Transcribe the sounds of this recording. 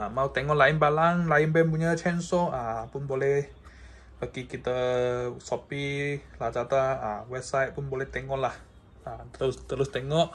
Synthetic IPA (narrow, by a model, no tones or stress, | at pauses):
maut̪eŋɔʔlaɪnbalaŋlaɪnbɛmpuɲat͡ʃɛnsoʔapʊnbolɛh | bəɡikit̪əsopilat͡ʃat̪aəwɛb̚sajt̪̚pʊnbolɛht̪ɛŋɔlah | at̪əʊst̪əɾʊst̪eŋɔʔ